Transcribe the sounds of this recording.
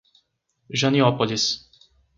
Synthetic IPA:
ʒaniɔpɔlʲis

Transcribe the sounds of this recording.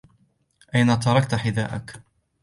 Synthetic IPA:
ʔajnat̪ɑɾˤɑkt̪ħɪd̪a̰ːʔak

